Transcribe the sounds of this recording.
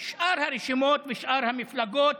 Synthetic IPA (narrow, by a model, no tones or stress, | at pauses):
ʃʔaɾhaɾeʃimoːt̪veʃʔaɾhamiflaɡoːt̪